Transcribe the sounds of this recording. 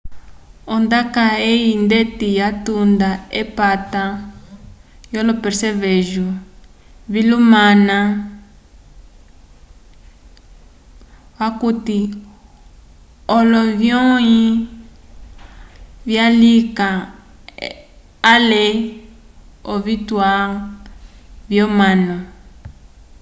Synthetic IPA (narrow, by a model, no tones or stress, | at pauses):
ɔndakaejindetijatundaepata | jɔlɔpɛɾsɛβeʒu | βilumana | wakuti | ɔlɔvjɔi | vjalika | lɛ | ɔβitwa | vjɔmanɔ